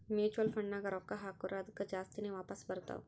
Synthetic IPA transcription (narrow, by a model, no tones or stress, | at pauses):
meːt͡ʃuəlfɐɳɖnãɡɐɾɔːkːaɦaːkuɾad̪kad͡ʒaːst̪ineʋaːpəsbɐɾt̪a̰o̰